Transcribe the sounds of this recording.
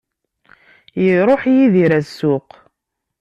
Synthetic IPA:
jiɾˤoħjiðiɾæsːʊq

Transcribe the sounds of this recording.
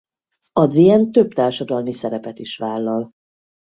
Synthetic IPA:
ɒd̪riɛnt̪ø̞bt̪aːrʃɒd̪ɒlmisɛɾɛpɛt̪iʃʋaːlːɒl

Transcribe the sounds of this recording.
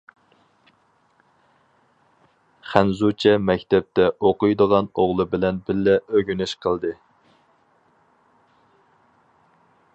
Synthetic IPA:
χænzut͡ʃʰɛmɛkʲt̪ʰɛp̚t̪ɛʔoqʊjd̪əʁɑnoʁlˠɨbɪlɛnbɪlːɛøɡʲynyʃqʰəlˠd̪ɨ

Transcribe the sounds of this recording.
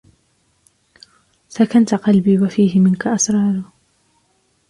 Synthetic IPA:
sakant̪aqɑlbiːwafiːɦɪmɪnkaʔasɾˤɑːɾˤʊ

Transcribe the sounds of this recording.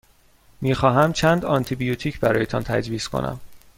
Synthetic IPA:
miːxɒːɦæmt͡ʃʰænd̪ɒnt̪ʰibijot̪ʰiːcʰbæɾɒːjet̪ʰɒːnt̪ʰæ̰d͡ʒviːskʰo̞̰nʔæ̰m

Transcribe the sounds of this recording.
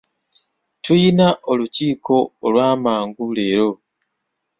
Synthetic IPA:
tʰujinaʔo̞luciːko̞ːlwaːmaːŋɡule̞ːɾo̞

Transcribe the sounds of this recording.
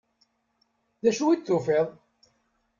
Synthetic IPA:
ðæʃuwid̪θufeðˤ

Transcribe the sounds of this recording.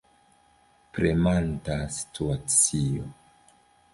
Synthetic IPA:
pɾemantasi̥tʰuat͡sio̰

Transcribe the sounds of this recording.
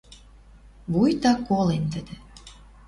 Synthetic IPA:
βujt̪ɑkːolent̪əd̪ĕ

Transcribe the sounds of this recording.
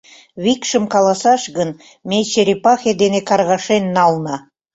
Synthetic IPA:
βikʃə̆mkɑlˠɑsɑʃɡən | met͡ɕeɾipɑxed̪enekɑrɣɑʃenːɑlnɑ

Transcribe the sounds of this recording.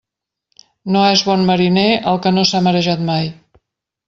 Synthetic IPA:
noezβɔnməɾineəlˠkənosaməɾəʒat̪maj

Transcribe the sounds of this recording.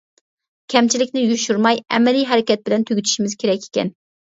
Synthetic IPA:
kʲʰɛmt͡ʃʰilɪkʲnɪjuʃuɾmɑjɛ̰mɛlijɦɛɾɪkʲɛt̪̚bɪlɛnt̪ʰøɡʲyt̪ʰy̥ʃimɪzkʲʰeɾɛkʲe̥kʲɛ̰n

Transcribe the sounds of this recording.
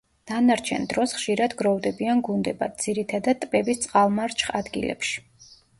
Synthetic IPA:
d̪̥anaɾt͡ʃʰɛ̰nd̪ɾɔsχʃiɾad̪ɡɾɔvd̪ɛbianɡund̪ɛba̰d̪̚d̪z̥iɾit̪ʰad̪ad̪̚t̪ʼpɛbist̪sʼqʼalˠmaɾt͡ʃʰχad̪ɡḭlɛ̰pʃi̥

